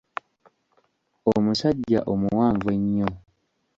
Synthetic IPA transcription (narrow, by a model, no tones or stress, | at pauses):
omusaɟːa̰ʔomuwaːɱvwe̞ɲːo